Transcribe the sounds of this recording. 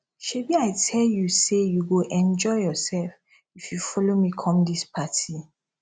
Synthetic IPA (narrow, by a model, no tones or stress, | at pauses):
ʃebiaɪtʰɛljusejuɡoʔɛ̃nd͡ʒɔɪjɔsɛlf | ifjufɔlomikʰɔ̃mdispʰatʰi